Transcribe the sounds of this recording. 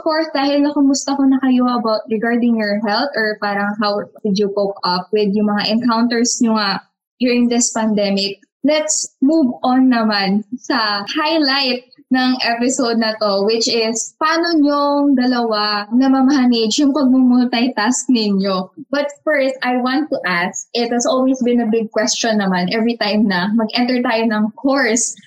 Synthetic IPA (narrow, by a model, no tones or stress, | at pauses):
ovkoɹsd̪aːhɪlnɐkʊmʊst̪ɐko̞nɐkɐjoʔɐbawt̪̚ɹɛɡaɹd̪ɪŋjɔɹɦɛlt̪ɔɹpaːɾɐŋɦawwɪd̪jupokʔɐp̚wɪd̪jʊŋmɐŋaʔɛnkawnt̪ɛɹsɲoŋaʔ | d̪juɹɪŋd̪ɪspɐnd̪ɛmɪk̚ | lɛt̪smuvɔnːɐmansɐhajlajt̪̚ | nɐŋʔɛpɪsod̪̚nɐt̪o̞wɪt͡ʃɪspɐaːnoɲoŋd̪ɐlɐwanɐmɐmɐɦɐmɪd͡ʒjʊŋpɐɡ̚mumʊnt̪ɐjt̪ask̚nɪɲo̞bɐt̪̚fɛɹst̪ajwãnt̪ːuʔask̚ɪt̪̚hɐsolwisbɪ̃nɐbɪɡ̚kwɛst͡ʃɔnːɐmanʔɛvɹit̪ãjmnɐmɐɡʔɛ̃nt̪ɛɹt̪ajonɐŋkʰoɹs